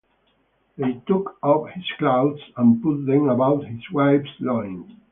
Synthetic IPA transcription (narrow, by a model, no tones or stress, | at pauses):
hitʊkʰʌphɪz̥klaʊdsə̃npʊt̪̚ðɨ̃məbaʊt̚hɪzwaɪbslɔ̃ɪɪ̃ŋ